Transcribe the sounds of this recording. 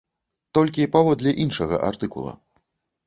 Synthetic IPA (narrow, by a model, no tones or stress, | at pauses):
t̪ɔlʲkʲipavɔd̪lʲɐʔinʂɐɣɐ̰ʔa̰rt̪ɨkṵlˠɐ̰